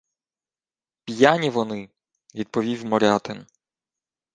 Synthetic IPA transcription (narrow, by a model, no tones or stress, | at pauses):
pʲjanʲiʋɔnɪ | vʲid̪̚pɔʋʲiwʲmɔɾʲat̪ɛn